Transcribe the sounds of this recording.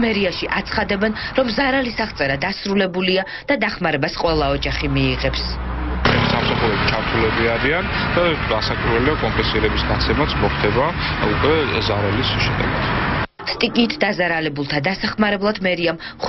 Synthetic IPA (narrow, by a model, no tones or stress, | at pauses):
mɛɾiaʃiʔat̪sʰχad̪ɛbɛnɾɔmzaɾalisaʁt̪sʼɛɾad̪asɾulɛbulia | d̪̥ad̪aχmaɾɛbasqʼwɛlˠaɔd͡ʒaχimiːʁɛpst͡ʃʰɛnisamsaχuɾɛbit͡ʃʰaɾt̪ʰulɛbiaɾiand̪̥ad̪asakʼɾvɛliakʼɔmpʼɛ̃nsiɾɛbisɡat̪sʰɛmat̪sʰmɔχt̪ʰɛbaukʼwɛzaɾalisʃɛd̪ɛ̰ɡat̪ʰ | st̪ʼikʼiːt̪ʰd̪azaɾalɛbulˠt̪ʰad̪asaχmaɾɛblˠad̪mɛɾiamχ